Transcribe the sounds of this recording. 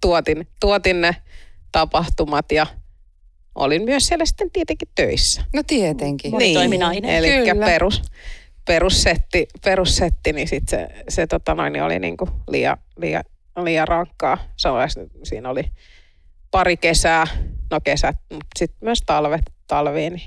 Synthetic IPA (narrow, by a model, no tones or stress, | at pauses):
t̪uot̪int̪uot̪innet̪ɑpɑht̪umɑt̪jɑ | ʔo̰linmyøssielːæsi̥t̪ːent̪iet̪eŋkit̪t̪øisːæ̥not̪iet̪eŋkiniːoimiɑinḛlikːæperusperusset̪ːiperusset̪ːinisit̪sḛset̪ot̪ɑno̰inːḭo̰lḭnḭːŋkulḭːɑ̰lḭːɑ̰ | liːɑrɑŋkːɑːsɑnoɑssḭːnoli | pɑrikesæːnokesæt̪̚mut̪sit̪myøst̪ɑlʋet̪t̪ɑlʋiːni